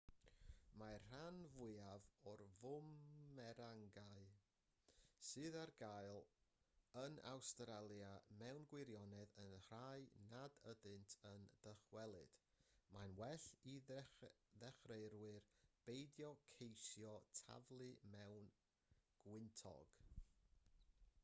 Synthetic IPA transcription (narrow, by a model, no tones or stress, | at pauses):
marr̥anvʊɨavɔrvʊmɛɾaŋɡaɨ | sɨːðarɡajlˠ | əna̰wstɾalˠjamɛwnɡwɪɾjɔnɛðənhr̥ajnadədɨntʰənd̥əχwɛlˠɨd̥ | manwɛɬi | ðɛχrejɾwɨrb̥ejdjɔkʰejsjɔtʰa̰vlˠɨmɛwn | ɡ̥wɪntʰɔ̰ɡ̥